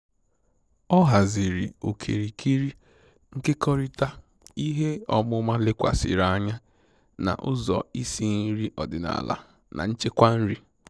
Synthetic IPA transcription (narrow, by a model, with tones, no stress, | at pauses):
ɔ˦ɦa˨zi˨ɾi˨o˨kʰḛ˨ɾi˨kʰi˦ɾi˦ | ŋ̩˦ke˦kɔ˦ɾi˦ta˦ | i˦ɦe˦ɔ˦mʊ˦ma˦le˦kʷa̰˨sɪ̰˨ɾa˦a˦ɲa˦ | na̰˨ʔʊ̰˦zɔ̰˨i˦si˦n̩˦ɾi˦ʔɔ˨dɪ˨na̰˨la̰˨ | na̰˨n̩˦t͡ʃe˦kʷa˦n̩˦ɾi˦